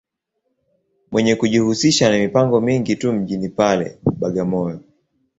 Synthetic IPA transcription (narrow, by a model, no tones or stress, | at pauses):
mwɛɲɛkuʄihusiʃanamipaŋɡɔmiŋɡitum̩ʄinipalɛ̰ɓaɡamɔjɔ